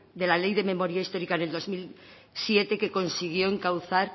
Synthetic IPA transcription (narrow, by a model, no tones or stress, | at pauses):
d̪e̞lalejðe̞mẽ̞mo̞ɾjaist̪o̞ɾikane̞ld̪ozmil | sje̞t̪e̞ke̞ko̞nsiɣ̞jo̞eŋkawθaɾ